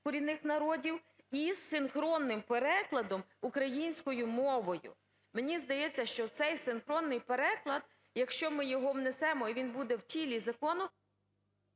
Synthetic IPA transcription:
kʊɾʲinɪxnɐɾɔdʲiw | izːɪnxɾɔnːɪmpeɾɛklˠɐd̪ɔmukɾɐjinʲsʲkɔjʊmɔʋɔjʊ̰ | menʲizd̪ɐjɛt͡sʲːɐʃt͡ʃɔt̪sɛjsɪnxɾɔnːɪjpeɾɛklˠɐd̪̚ | jɐkʃt͡ʃɔmɪjɔɦɔwnesɛmɔiʋʲinbud̪ɛwtʲilʲizɐkɔnʊ

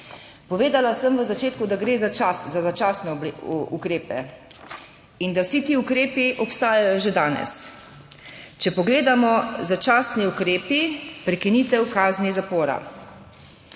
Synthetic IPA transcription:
pɔʋeːd̪alasəmʋəzat͡ʃeːt̪kud̪aɡɾeːzat͡ʃaszazat͡ʃasnɛṵkɾeːpɛ̰ | ind̪awsit̪iːukɾeːpiʔɔpst̪aːjajɔʒed̪aːnɛ̰s | t͡ʃɛpɔɡleːd̪amɔzat͡ʃaːsniukɾeːpipɾɛkinit̪ɛwkaːznizapoːɾa̰

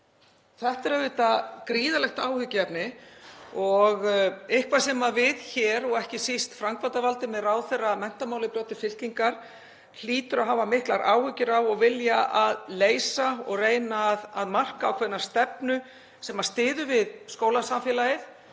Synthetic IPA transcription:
θɛht̪ɛɾɛvɪːt̪akɾiːðalɛxt̪aːwhʏcɪɛpnɪ | ɔɣɪhkvasɛmavɪðçɛːɾɔɣɛhcɪsist̪fɾaŋkvant̪avalt̪ɪmɛðraːwθejrːamɛn̥t̪amaːwlɪpɾjɔːwt̪ɪfɪl̥ciŋkaɾ̥ | l̥iːt̪ʏɾawɦaːvamɪhklaɾʔa̰ːwhʏcːɪɾawɔɣvɪljaʔaðleːjsaɔ̰ɣreːjnaːðaðmar̥kaːwkʰvɛɾnḁst̪ɛpnʏ | sɛmḁst̪ɪːðʏvɪðskoːwlasamfjɛlajɪθ

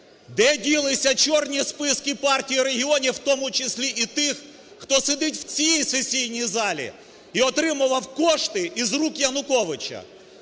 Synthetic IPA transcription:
d̪ɛdʲilˠɪsʲɐt͡ʃɔrnʲispɪskɪpɑrtʲijiɾeɦʲiɔnʲiwt̪ɔmʊt͡ʃesʲlʲiʔit̪ɪx | xt̪ɔsed̪ɪtʲwt͡sʲijijsesʲijnʲijzɑlʲḭ | iɔt̪ɾɪmʊʋɐwkɔʃt̪ɪizrukjɐnʊkɔʋɪt͡ʃɐ̰

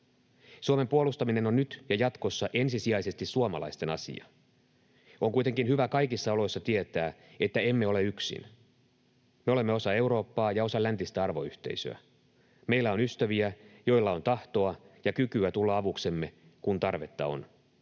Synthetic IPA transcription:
suome̞mpuolust̪ɑmine̞nonːyt̪jɑjɑt̪ko̞sːɑʔe̞nsisiɑjse̞st̪issuomɑ̰lɑ̰ist̪e̞nɑ̰sḭɑ̰ | ʔoŋkuit̪e̞ŋkinhyʋækɑjkisːɑo̞lo̞jsːɑt̪iet̪æːe̞t̪ːæe̞mːe̞o̞le̞yksḭn | meo̞le̞mːeo̞sɑe̞wɾo̞ːpːɑːjɑo̞sɑlænt̪ist̪æɑrʋo̞yht̪e̞̰ijsø̰æ̰ | meilːæo̞nyst̪æʋiæjo̞ilːɑo̞nt̪ɑht̪o̞ɑjɑkykyæt̪ulːɑɑʋukse̞mːe̞ | kunt̪ɑrʋe̞t̪ːɑ̰o̞̰n

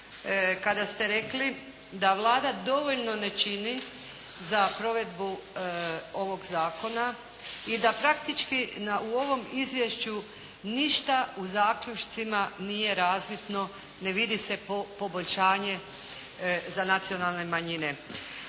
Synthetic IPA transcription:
kad̪ast̪e̞ɾe̞kli | d̪aʋlˠaːd̪ad̪o̞ʋo̞ʎno̞ne̞t͡ʃini | zapɾo̞ʋe̞d̪bu | o̞ʋo̞ɡzaːko̞na | id̪apɾakt̪it͡ʃkinauo̞ʋo̞mizʋje̞ʃt͡ɕu | niʃt̪auzaːkʎut͡ʃt̪simanije̞ɾaːzʋit̪no̞ | ne̞ʋid̪ise̞opo̞bo̞ʎʲʃaːɲe̞ | zanat̪sio̞nalˠne̞maɲine̞

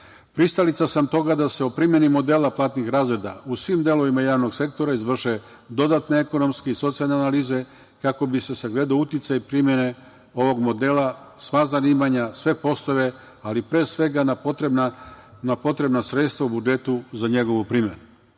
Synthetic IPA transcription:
pɾist̪alit̪sasamt̪o̞ɡad̪ase̞opɾimje̞nimo̞d̪elaplˠaːt̪nixɾaːzɾe̞d̪a̰usʋimd̪e̞lo̞ʋimajaːʋno̞ɡse̞k̚t̪o̞ɾaizʋr̩ʃe | d̪o̞d̪aːt̪neeko̞no̞mskeiso̞t̪sialneanaliːze̞ | kako̞biseseɡle̞d̪aut̪it̪sajipɾimje̞ne̞ | o̞ʋo̞ɡmo̞d̪eːla | sʋazaniːmaɲasʋe̞po̞st̪o̞ʋe̞ | alipɾeːsʋe̞ɡanapot̪ɾebna | napo̞t̪ɾe̞bnasɾet̪st̪ʋaubud͡ʒe̞t̪uzaɲe̞ɡo̞ʋupɾiːmjenu

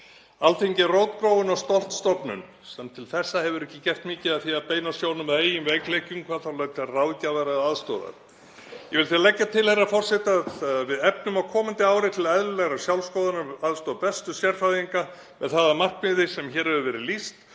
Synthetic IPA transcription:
alθeɲcɪroːwt̪pɾoːwʏnawst̪ɔl̥t̪st̪ɔpnʏ̰n | sɛmt̪ʰɪlθɛsːahɛvʏɾɛhcːɪcɛr̥t̪mɪːcɪðaðθiapeːjnasjoːwnʏmaðeːjʏmvɛjklejcʏmkʰvaːðθawlaːɥt̪arawðcavɛɾaðaðst̪ɔːða̰ɾ | jɛvɪlθialɛcːat̪ʰɪlhɛrːafɔr̥sɛht̪avɪðɛpnʏmawkʰɔːmant̪ɪaːwɾɪt̪ʰɪlɛðlʏlɛɣɾasjawlskɔːðanaaðst̪ɔːðapɛst̪ʏsjɛɾ̥faðiŋka | mɛðθaðamar̥k̚mɪðɪsɛmçɛːɾhɛvʏvɛːɾɪlist̪

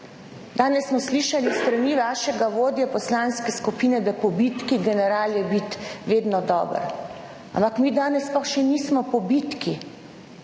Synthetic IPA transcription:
d̪aːnɛsːmɔsliːʃalist̪ɾaniːʋaːʃɛɡaʋoːd̪jɛpɔslaːnskɛskupiːnɛd̪apɔbit̪kiɡɛnɛɾaːljɛbit̪ʋeːd̪nɔd̪ɔ̰ːbə̰ɾ | a̰mpakmiːd̪aːnɛsplɔxʃɛniːsmɔpɔbit̪ki

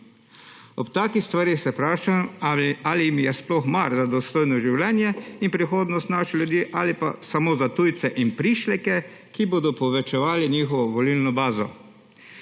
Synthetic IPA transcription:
ɔpt̪aːkixst̪ʋaɾixsɛpɾaːʃamaliimjɛsplɔxmaɾzad̪ɔst̪oːjnɔʒiwlɛːnjɛinpɾixoːd̪nɔst̪naːʃɛljud̪jiːʔalipa̰samoːzat̪ujt̪sɛʔinpɾiːʃlɛkɛ | kiboːd̪ɔpɔʋɛt͡ʃɛʋaːliɲiːxɔʋɔʋɔlilnɔbaːzɔ̰

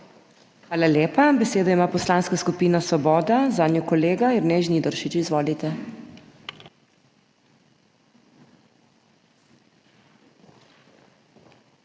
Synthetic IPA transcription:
xʋaːlaljeːpabɛseːd̪ɔimaːpɔslaːnskaskupiːnasɔbɔːd̪azaːnjɔkɔleːɡaɛɾneʒnid̪ɔɾʃit͡ʃizʋɔːlit̪ɛ

